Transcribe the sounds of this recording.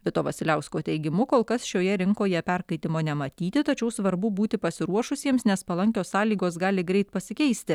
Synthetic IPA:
ʋʲɪt̪oːʋɐsʲɪlʲæʊskoːt̪ʲɛɪɡʲɪmʊkoːlˠkɐsʃʲoːjɛɾʲɪŋkoːjɛpʲɛɾkɐɪt̪ʲɪmoːnʲɛmɐt̪ʲiːt̪ʲɪt̪ɐt͡ʃʲɛʊsʋɐɾbʊbuːt̪ʲɪpɐsʲɪɾuɔʃʊsʲiɛmsnʲɛspɐlˠɐŋʲkʲoːssɑːlʲiːɡoːs̬ɡɑːlʲɪɡɾʲɛɪt̪pɐsʲɪkʲɛɪsʲt̪ʲɪ

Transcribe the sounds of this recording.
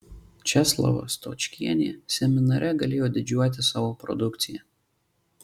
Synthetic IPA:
t͡ʃʲɛslˠɐ̰ʋɐ̰st̪o̰t͡ʃʲkʲiɛnʲeːsʲɛmʲɪnɐɾʲʔɛɡɐlʲeːjoːd̪ʲɪd͡ʒʲuɔt̪ʲɪsɑːʋoːpɾɔ̰d̪ʊkt̪sʲɪjɛ

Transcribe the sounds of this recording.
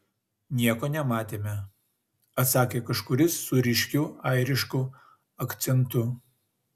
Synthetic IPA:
nʲiɛkoːnʲɛmɑːt̪ʲeːmʲɛ | ɐt̪sɑːkʲeːkɐʃkʊɾʲɪsːʊɾʲɪʃʲkʲuːɐɪɾʲɪʃkʊ | ɐkt̪sʲɛnt̪ʊ

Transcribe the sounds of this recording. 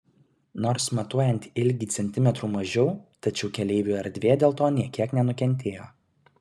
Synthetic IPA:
noːɾsmɐt̪uɔjɛnʲt̪ʲɪlʲɡʲiːsʲɛnʲt̪ʲɪmʲɛt̪ɾuːmɐʒʲɛʊt̪ɐt͡ʃʲɛʊkʲɛlʲɛɪʋʲuːɛɾʲd̪ʲʋʲeːd̪ʲeːlˠt̪oːnʲiɛkʲiɛknʲɛnʊkʲɛnʲt̪ʲeːjo̰ː

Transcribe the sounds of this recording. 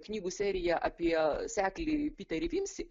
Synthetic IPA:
knʲiːɡuːsʲæːɾʲɪjæʔɐpʲiɛsʲæːklʲɪpʲiːt̪ʲɐɾʲɪʋʲiːmʲsʲɪ

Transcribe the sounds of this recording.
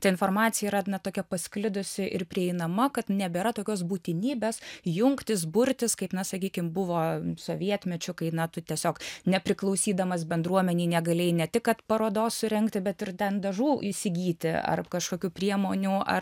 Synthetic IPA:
t̪ɐɪɪnfoːrmɑːt̪sʲɪjɛiɾɐnɐt̪oːkʲɛpɐsʲklʲɪd̪ʊsʲɪʔɪrpʲɾʲɪɛɪnɐmɐkɐt̪nʲɛbʲeːɾɐt̪oːkʲoːsbuːt̪ʲɪnʲiːbʲeːsjʊŋkt̪ʲɪs̬bʊɾʲt̪ʲɪskɐɪpnɐsɐkʲiːkʲɪmbʊʋoːsoːʋʲiɛt̪ʲmʲɛt͡ʃʲʊkɐɪnɐt̪ʊt̪ʲiɛsʲoːknʲɛpʲɾʲɪklˠɐʊsʲiːd̪ɐmɐsbʲɛnd̪ɾuɔmʲɛnʲɛɪnʲɛɡɐlʲeːjnʲɛt̪ʲɪkkɐt̪pɐɾoːd̪oːssʊɾʲɛŋkt̪ʲɪbʲɛt̪ɪrt̪ʲɛnd̪ɐʒuːɪsʲɪɡʲiːt̪ʲɪɐ̰rkɐʃkoːkʲuːpʲrʲiɛmoːnʲuːɐ̰

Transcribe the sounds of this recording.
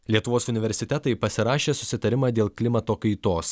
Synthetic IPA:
lʲiɛt̪ʊʋoːsʊnʲɪʋʲɛɾʲsʲɪt̪ʲɛt̪ɐɪpɐsʲɪɾɑːʃʲeːsʊsʲɪt̪ɐɾʲɪmɑːd̪ʲeːlˠklʲɪmɐt̪oːkɐɪt̪oːs

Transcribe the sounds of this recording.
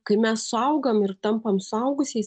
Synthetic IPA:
kɐɪmʲɛssʊɐʊɡɐmɪɾt̪ɐmpɐmsʊɐʊɡʊsʲeːs

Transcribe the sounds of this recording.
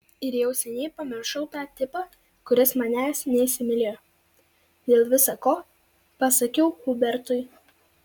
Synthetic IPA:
ɪɾjɛʊsʲɛnʲɛɪpɐmʲɪɾʃɐʊt̪ɑːt̪ʲɪpɑː | kʊɾʲɪsmɑnʲæːsnʲɛisʲɪmʲɪlʲej | d̪ʲeːlˠʋʲɪsɐkoː | pɐsɐkʲɛʊhʊbʲɛɾt̪ʊɪ

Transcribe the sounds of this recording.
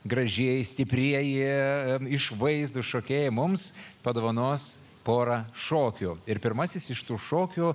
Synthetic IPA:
ɡɾɐʒʲeɛjɪsʲt̪ʲɪpʲɾʲiɛjɪ | ɪʃʋɐɪzd̪uːʃoːkʲeːjɛmʊmspɐd̪oːʋɐnoːs | poːɾɐʃoːkʲuːɪɾpʲɪɾmɐsʲɪsɪʃt̪uːʃoːkʲuː

